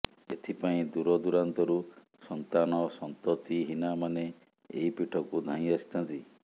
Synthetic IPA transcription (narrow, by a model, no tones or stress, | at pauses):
ḛt̪ʰipaĩd̪uɾɔd̪uɾant̪ɔɾu | sɔnt̪anɔsɔnt̪ɔt̪iɦinamane | ḛipiʈʰɔkud̪ʱãĩasi̥t̪ʰant̪i